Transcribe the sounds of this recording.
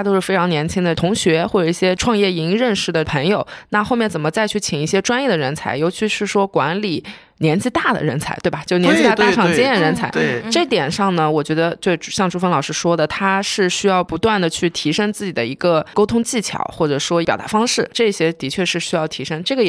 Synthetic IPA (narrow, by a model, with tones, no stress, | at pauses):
a˥t̪o˥ʊʂɻ̩˥˩fe˥ɪ˧˥ŋnjɛ˧˥nt͡ɕʰi˥ŋd̪ə˨t̪ʰʊ˧˥ŋɕɥɛ˧˥xwɔ˥˩ʈ͡ʂɤ˨˩i˥˩ɕjɛ˥ʈ͡ʂʰwɑ˥˧ŋjɛ˥˩i˧˥ŋ˧ɻə˥˧nʂɻ̩˥˩d̪ə˩pʰə˧˥ŋjo˨˩ʊna˥˧xo˥˧ʊmjɛ˥˩nt͡sə˨˩nmə˦t͡sa˥˧ɪt͡ɕʰy˥˩t͡ɕʰi˨˩ŋi˥˩ɕjɛ˥ʈ͡ʂwa˥njɛ˥˩d̪ə˩ɻə˧˥nt͡sʰa̰˧˥ɪjo˧˥ʊt͡ɕʰy˧˥ʂɻ̩˥˩ʂwɔ˥kwa̰˧˥nli˨˩ | njɛ˧˥nt͡ɕi˥˧t̪a˥˩d̪ə̰˩ɻə˧˥nt͡sʰa˧˥ɪwbɐ˩t͡ɕjʊnjɛ˧˥nt͡ɕt̪ʈ͡ʂʰɑ˨˩ŋ˥t͡ɕi˥ɛ˥˩˧ɻə˧˥nt͡sʰa˧˥ɪ˥ʈ͡ʂɤ˥˩t̪jɛ˨˩nʂɑ˥˩ŋnə˩wɔ˨˩t͡ɕɥɛ˧˥d̪ə˧t͡ɕjo˥˧ʈ͡ʂu˥˩ɕjɑ˥˧ŋʈ͡ʂu˥fə˥nlɑ˨˩ʊʂɻ̩˥˧ʂwɔ˥d̪ə˨˩t̪ʰa˥ʂɻ̩˥˩ɕy˥jɑ˥˩ʊpu˧˥t̪wa˥˩nd̪ə˩t͡ɕʰy˥˩t̪ʰi˧˥ʂə˥ŋt͡sɹ̩˥˩t͡ɕi˨˩d̪ə̰˦i˧˥ɡə˧ko˥ʊt̪ʰʊ˥ŋt͡ɕi˥˩t͡ɕʰjɑ̰˨˩˦ʊxwɔ˥˩ʈ͡ʂɤ˨˩ʂwɔ˥j̪a̰˧˥fɑ˥ŋʂɻ̩˥˩ʈ͡ʂɤ˥˩˧ɕjɛ˥t̪i˧˥t͡ɕʰɥɛ˥˧ʂɻ̩˥˩ɕy˥jɑ˥˩ʊt̪ʰi˧˥ʂɤ˥ŋʈ͡ʂɤ˥˩ɡə˩